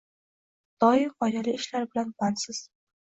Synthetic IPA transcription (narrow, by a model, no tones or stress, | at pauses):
d̪̥ɒɪmɒjalɪɪʃlaɾbɪlanbansɪz̥